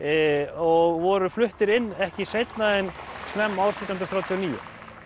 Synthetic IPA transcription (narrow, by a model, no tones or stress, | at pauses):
ɔɣvɔɾʏflʏht̪ɪɾɪnːɛhcɪsejt̪naðɪnsnɛmːaːwsit̪anɾθɾaːwt̪ʰiɔniːjʏ̰